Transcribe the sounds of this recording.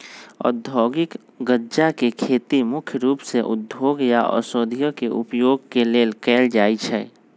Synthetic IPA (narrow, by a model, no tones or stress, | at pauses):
ɔ̰d̪ʱɔːɡɪk | ɡəd͡ʒakekʰeːt̪imʊkʰjəɾuːpseʔʊ̰d̪ʱoːɡjaʔɔ̰sod̪ʱijəkeʔʊ̰pjoːɡ̚keleːlkɛːld͡ʒaːit͡ʃʰɛː